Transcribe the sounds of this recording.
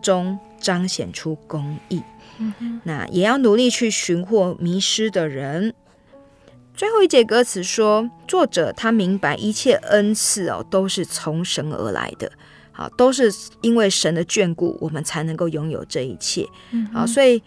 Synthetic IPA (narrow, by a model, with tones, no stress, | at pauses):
ʈ͡ʂʊ˦ŋ | ʈ͡ʂɑ˥ŋɕjɛ̰˨˩nʈ͡ʂʰu˦kʊ˦ŋi˥˩ | na̰˥˩jʔɛ˨˩jɑ˥˩ʊnu˨˧˦li˥˧t͡ɕʰy˥˩ɕy˧˥nxwɔ˥˩mi˧˥ʂɻ̩˥d̪ə˨ɻə˧˦n | t͡swe˥˧ɪxo˥˧ʊi˥˩t͡ɕjɛ˥˩kɤ˦t͡sʰɹ̩˨˩ʂwɔ˥t͡swɔ˥˩ʈ͡ʂɤ̰˨˩t̪ʰa˥mi˧˥ŋpa˧˥ɪʔi˧˥t͡ɕʰjɛ˥˩ʔə˦nt͡s̩ʰ˥˩ɑ̰˨˩t̪o˥ʊʂɻ̩˥˩t͡sʰo˧˥ŋʂə˧˥nə̰˧˥la̰˧˥ɪd̪̥ə̰˨ | hɑ̰˨˩t̪o˥ʊʂ̬ɻ̩˥˨i˦nwe˥˩ɪʂə˧˦˥nd̪ə˨t͡ɕɥɛ˥˧nkṵ˥˩wʔɔ˨˩mə˨˦nt͡sʰa˧˥ɪnə˧˥ŋko˥˩ʊjʊ˥ŋjo̰˨˩ʊʈ͡ʂɤ˥˧ḭ˨˩t͡ɕʰjɛ̰˥˩ | ɑ̰˨swɔ˧˥i˨˩